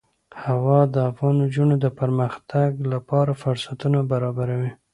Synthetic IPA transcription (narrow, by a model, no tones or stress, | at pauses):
hawɑd̪əafɣɑnod͡ʒunod̪əpəɾməxt̪ʰaɡlapɑɾafʊɾsat̪unabaɾɑbaɾawi